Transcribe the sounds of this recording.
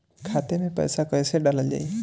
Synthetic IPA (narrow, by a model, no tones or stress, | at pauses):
kʰat̪emepɔ̰jsakɔjseɖalald͡ʒa̰j